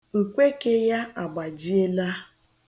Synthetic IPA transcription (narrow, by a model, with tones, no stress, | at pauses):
kʷe˦ke˦ja˦a˨ɡ͡ba˨d͡ʒi˦e˦la˦